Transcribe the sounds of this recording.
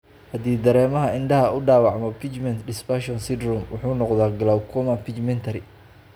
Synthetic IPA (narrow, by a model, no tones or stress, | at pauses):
hɐd̪iːd̪ɐɾɛːmɐɦɐɪnɖɐɦɐʊɖaːwɑʕmɔpʰit͡ʃmɛnt̪ɖɪspaʃɔnsɪd̪rɔmwʊ̰ħuːnɔqd̪aːɡɐlawkʰɔmɐpʰit͡ʃmɛnt̪ʰɐɾɪ